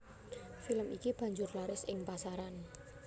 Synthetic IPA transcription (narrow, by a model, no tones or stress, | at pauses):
filəmikib̥ä̤ɲd͡ʒʊrlaɾɪsɪŋpasaɾan